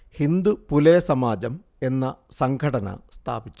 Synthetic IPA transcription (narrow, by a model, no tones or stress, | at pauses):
hind̪upuleːsɐmaːd͡ʑɐm | e̞nːɐsɐŋkʰɐɽɐnɐ̰st̪ʰa̰ːbit͡ɕːu̥